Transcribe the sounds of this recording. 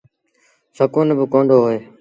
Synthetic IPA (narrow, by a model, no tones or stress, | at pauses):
səkoːnebəkõːɳɖoːɦoeː